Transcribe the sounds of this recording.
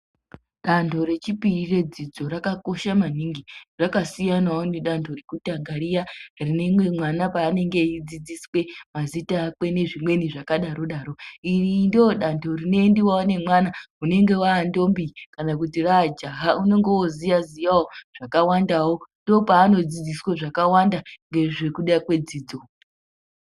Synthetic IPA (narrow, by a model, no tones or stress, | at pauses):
ɗantʰo̞ɾe̞t͡ʃipiire̞d͡zid͡zo̞rakako̞ʃamaniːŋɡirakasijanaoniɗantʰo̞rekutaŋɡaɾijarine̞mwe̞mwanapaːne̞ŋɡe̞id͡zid͡ziswe̞mazitaːkwe̞ne̞ʐimwe̞niʐakaɗaɾo̞ɗaɾo̞irindooɗantʰo̞rine̞ndiwawne̞mwanaune̞ŋɡe̞waːndo̞mbikanak̬utirad͡ʒaɦaune̞ŋɡewozijazijawoʐ̥akawandawondo̞paːno̞d͡zid͡zisweʐakawandaŋɡe̞ʐe̞kuɗakwe̞d͡ziːd͡zo